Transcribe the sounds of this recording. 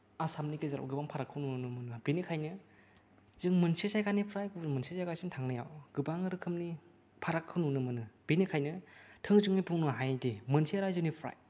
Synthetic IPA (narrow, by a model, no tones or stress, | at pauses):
asamnikezaɾa̰wɡɯbaŋpʰaɾakʰːɯwnuunɯmɯnɯbinikʰajnɯ | zɯŋmɯnsisajkanipʰɾajkumɯnsesajkasintʰaŋnɯja̰wɡ̥ɯbaŋɾɯkʰɯmni | pʰaɾakʰːɯwnunɯmɯnɯb̥enikʰajnɯtʰɯŋzɯŋnijpʰuŋnɯɦajdemɯnseɾajzɯnipʰɾa̰j